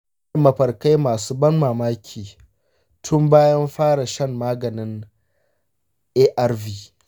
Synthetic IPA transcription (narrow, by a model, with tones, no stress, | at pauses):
mɐ˨ɸɐ˨rka˦jmaː˨suː˦bɐ˦nmaː˨maː˦kʲʰiː˨ | tʰʊ˦mbaː˦jɐ˦mɸaː˦ɽa˨ʃɐ˦mːaː˦ɡɐ˨nɪ˦n | ʔeː˦ʔɐ˦rviː˦